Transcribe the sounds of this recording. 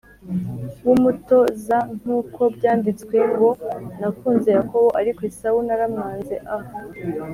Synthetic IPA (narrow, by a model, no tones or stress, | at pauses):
wumuto̞zaŋ̥huːkʰo̞bɟaːndit͡skwe̞ɡo̞nafuːnze̞jako̞βo̞ʔaɾikwoesaunaɾamŋaːnze̞ʔaho